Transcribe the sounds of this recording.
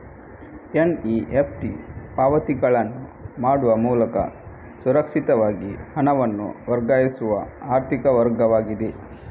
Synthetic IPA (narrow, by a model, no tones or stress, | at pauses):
eniepʰʈipaːʋɐt̪iɡɐɭɐnːumaːɽuʋɐmuːlɐkɐ̰ | suɾɐkʂit̪ɐʋaːɡihɐnɐʋɐnːṵʋɐɾɡaːjisuʋɐaːɾt̪ʰikɐʋɐɾɡɐʋaːɡid̪e